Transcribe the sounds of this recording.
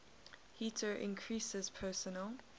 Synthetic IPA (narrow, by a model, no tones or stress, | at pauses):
hiːˑtʰəʔɪ̰̃nkʰɹiˑsɪz̥pʰɜːˑsənəl